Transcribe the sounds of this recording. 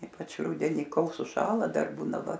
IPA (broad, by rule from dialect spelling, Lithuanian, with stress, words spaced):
ˈiːpɐt͡ʃ ˈrʊdʲɛnʲɪ ˈkoːlˠ sʊˈʃɑːlˠɐ ˈdɐr ˈbuːnɐ ˈʋɐ